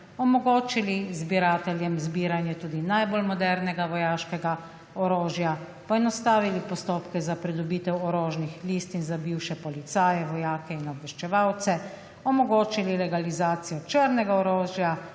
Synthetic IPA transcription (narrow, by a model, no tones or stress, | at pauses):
ɔmɔɡoːt͡ʃilizbiɾaːt̪ɛljɛmzbiːɾanjɛt̪uːd̪inajbolmɔd̪ɛɾnɛɡaʋɔjaːʃkɛɡa | ɔɾoːʒja | pɔɛnɔst̪aːʋilipɔst̪oːpkɛzapɾid̪ɔbiːt̪ɛwɔɾoːʒnixliːst̪inzabiwʃɛpɔlit̪saːjɛʋɔjaːkɛinɔbʋɛʃt͡ʃɛʋawt̪sɛ | ɔmɔɡoːt͡ʃililɛɡalizaːt̪sijɔt͡ʃəɾnɛɡaɔɾoːʒja